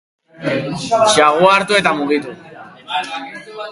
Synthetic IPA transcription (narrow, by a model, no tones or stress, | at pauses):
t͡ʃeaɣ̞uaːɾt̪ue̞t̪amuɣit̪u